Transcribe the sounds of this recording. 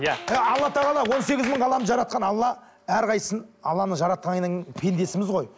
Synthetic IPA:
jəɑlˠːɑt̪ʰɑʁɑlˠɑwo̞nse̞ɡʲɪzməɴʁɑlˠɑmʒɑɾɑt̪̚qɑnɑlˠːɑ | æɾqʰɑjəsənɑlˠːɑnəʒɑɾɑt̪̚qɑnəpʰe̞nd̪e̞sɪmɪzʁo̞j

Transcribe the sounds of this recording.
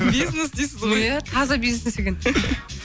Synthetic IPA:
bijznesd̪ejsɪzojæt̪ʰɑzɑbiznesnese̞kʲen

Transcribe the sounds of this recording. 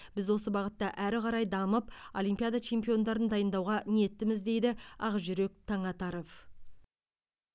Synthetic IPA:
b̥ɪzwo̞s̬əbɑʁət̪ːɑʔæɾɪqʰɑɾɑjd̪ɑməpo̞̰lʲijmpijad̪at͡ʃʰe̞mpijo̞nd̪ɑɾənd̪ɑjənd̪ɑwʁɑne̞t̪ːɪmɪzd̪e̞jd̪ɪɑ̰ʁəʒʏɾe̞k̚t̪ʰɑɴɑt̪ɑɾo̞fv

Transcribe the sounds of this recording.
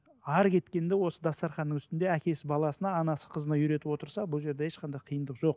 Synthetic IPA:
ɑɾkʲʰe̞t̪kʲe̞nd̪e̞wo̞səd̪ɑst̪ɑɾχɑnːəŋʏst̪ɪnd̪eækʲe̞sɪbɑlˠɑsənɑːnɑsə̥qʰəzənɑjʏɾe̞t̪ɪpwo̞t̪əɾsɑbʊlˠʒe̞ɾd̪eeʃqʰɑnd̪ɑjqʰijənd̪əqʒo̞q̚

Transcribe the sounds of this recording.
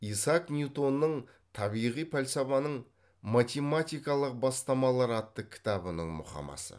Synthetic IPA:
isɑknʲjut̪o̞nːəɴ | t̪ʰɑbijʁijpʰælʲsɑvɑnəɴ | mat̪ʲe̞mat̪ijkɑlˠəq̚bɑst̪ɑmɑlˠɑɾɑt̪ːəkʲʰɪ̥t̪ɑbənəɴmʊ̰χɑ̰mɑ̰sə̰

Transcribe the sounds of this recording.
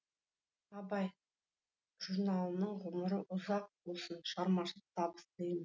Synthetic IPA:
ɑbɑj | ʒ̥uɾnɑlˠnəɴʁʊməɾəʔʊzɑq̚bʊsənʃɑɾmɑʃəp̚t̪ʰɑbə̥st̪əɪ

